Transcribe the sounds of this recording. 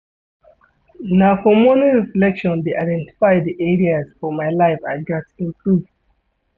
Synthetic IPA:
nafɔmonĩŋsilɛkʃɔ̃ndeʔaɪdɛ̃nti̥faɪdiʔɛɹiaz̥fɔmaɪlaɪfa̰ɪɡatĩmpʰluv

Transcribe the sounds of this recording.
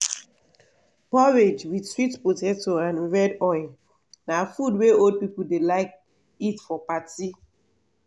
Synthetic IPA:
pɔɹed͡ʒwidsɹitpotɛtɔãnɹɛdɔɪl | nafudweold̚pipul̩delaɪk̚ | itfɔpati

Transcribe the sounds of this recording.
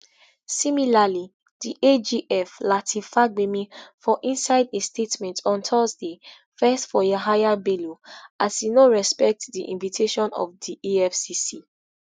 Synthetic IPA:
similali | d̥iʔed͡ʒiʔɛflatʰifabemifɔʔĩnsaɪdestʰetmɛ̃ntʰɔ̃ntʰɔzde | fɛstfɔjaɦajabeloʔasinoɹɛspɛk̚tdiʔḭ̃nvitʰeʃɔ̃nɔ̰fdiʔiɛfsisi

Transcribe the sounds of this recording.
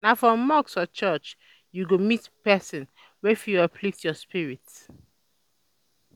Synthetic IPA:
nafɹɔ̃mːɔksɔt͡ʃɛt͡ʃ | juɡomitpɛsɔ̃n | wɛfjuapʰlitjɔspiɹit

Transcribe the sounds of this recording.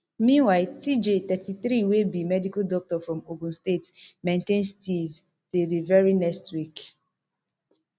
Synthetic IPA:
mĩnwaɪltʰid͡ʒet̪ɛtʰiθɾiwebimɛdikadɔk̚tɔfɹɔ̃moɡũnstetmẽntẽnstilz | tudivɛɹinɛstwik

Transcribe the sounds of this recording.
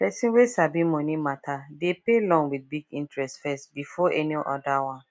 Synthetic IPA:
pɛsĩnwesabĩmonĩmatʰadepelɔ̃ŋwid̚biɡĩntɹɛstfɛstbifɔʔɛniʔɔdawãn

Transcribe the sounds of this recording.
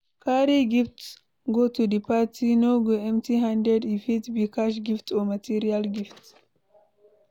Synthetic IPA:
kaːɾiɡɪft | ɡot̪udɪpːatinoɡeɛmt̪iɦandɛdifit̪bikaʃ̬ɡɪft̪omɐt̪iɾialɡɪft̪

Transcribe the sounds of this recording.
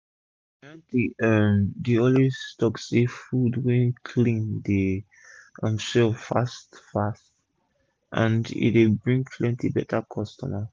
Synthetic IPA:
ɛ̃ndiədiɔ̃listɔksefudwɛ̃nkʰlĩnde | ʔʌ̃msɛfastfast | ʔã̰ndḭtdebɹĩŋpʰlɛ̃ntʰibɛtʰakʰɔstɔma

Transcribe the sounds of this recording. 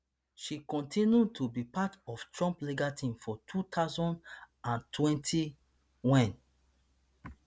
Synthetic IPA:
ʃikɔ̃ntʰĩnjutʰubipatɔftʰɹɔ̃mpliɡatʰĩmfɔtʰut̪ʰaʊzɔ̃nd | ãntʰwɛ̃ntʰi | wɛ̃n

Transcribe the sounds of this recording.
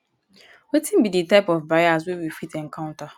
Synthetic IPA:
wetʰĩm̩biditaɪpɔfbaas̬wewifitɛŋ̩kʰãʊ̃nta

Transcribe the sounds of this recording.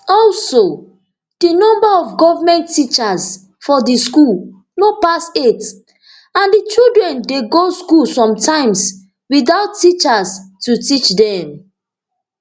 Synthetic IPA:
ɔlso | d̥inɔ̃mbaɔfɡɔvamɛ̃ntʰːit͡ʃas | fɔdiskul | nopaset | ãndit͡ʃildɹɛ̃ndeɡoskulsɔ̃mtʰãɪ̃ms | wiθaʊtːit͡ʃastutit͡ʃdɛ̃m

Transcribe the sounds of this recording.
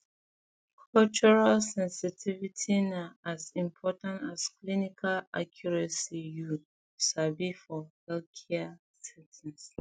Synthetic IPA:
kʰɔlt͡ʃuɹalsɛ̃nsitʰivitʰinaazĩmpʰɔtãntasklinikʰala̰kʰjɔɹɛsiju | savifɔhɛlkʰɛa | sɛtʰɛ̃ns

